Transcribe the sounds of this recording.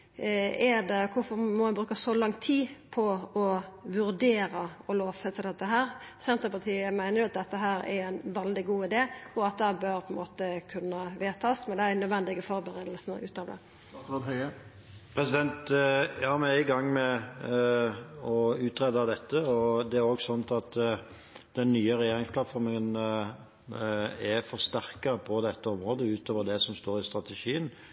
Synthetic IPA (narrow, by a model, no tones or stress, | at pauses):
ɛdɛkʰʊfɔɾmɔmɑnbɾʉːkəsɔlɑŋt̪ʰiːpʰɔɔʋʉɾd̪eːɾəɔloːʋfɛsɪd̪ɛt̪ːəɦæːɾsɛnt̪əpɑʁt̪ʰiːəmæɪnəɾjʊɑt̪̚d̪ɛt̪ːəɦæːɾɛ̰ɾæɪnʋɛld̪ɪɡuːɪd̪eːɔɑt̪̚d̪ɛhæbøɾpʰɔɪnmoːt̪əkʰʉnːəʋeːt̪ʰɑsmɛnd̪ɛænːœd̪ʋɛnd̪ɪɡəfɔɾbəɾeːd̪lsnə̰ʉ̰ːt̪ɑːʋd̪ɛ̰ | od̪hœə | pʰɾɛsɪd̪ɛnt̪jɑːmɛnæɪɡɑŋːmɛ | ɔʉːt̪ɾɛd̪ɑd̪ɛt̪ːəɔd̪ɛæɾoɡsɔnt̪ɑt̪ | d̪̥ɛnːyːəɾɛjeːɾɪŋspʰlɑt̪fɔɾməŋən | æfɔɾst̪æʁkɑpʰɔd̪ɛt̪ːəɔmɾoːd̪əʉːt̪ʰoːʋəd̪ɛsɔmst̪oːɾɪst̪ɾɑt̪ɛʃiːən